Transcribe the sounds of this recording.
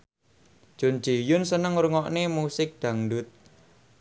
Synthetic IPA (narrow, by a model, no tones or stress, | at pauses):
ʒ̥o̤n̥d͡ʒ̥ejʊnsənəŋuɾuŋɔʔnemusɪk̚d̪̥ä̤ŋɖʊt̪̚